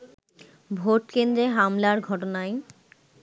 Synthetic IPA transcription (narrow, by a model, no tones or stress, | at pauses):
bʱoʈkend̪ɾeɦamlaɾɡʱɔʈonaj